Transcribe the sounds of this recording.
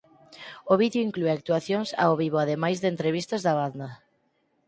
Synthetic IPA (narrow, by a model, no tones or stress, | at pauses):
oβiðjoiŋklueak̚t̪uaθjoŋsa̰oβiβ̞oaðemajzðent̪ɾeβist̪ɐzðaβaðna